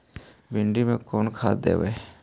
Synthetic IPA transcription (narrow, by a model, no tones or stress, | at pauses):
bɪɳɖimẽkoːnkʰa̰ːt̪d̪ḛːʋeː